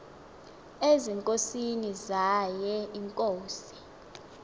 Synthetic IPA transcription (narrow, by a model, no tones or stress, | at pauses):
eziŋkʼosinizajɛiŋkʼoːsi̥